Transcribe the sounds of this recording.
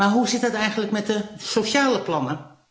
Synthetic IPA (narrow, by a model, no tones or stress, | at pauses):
maɦusɪt̚dɔtɛjɣən̩ləkmɛt̚dəsoʃaːləplɔnə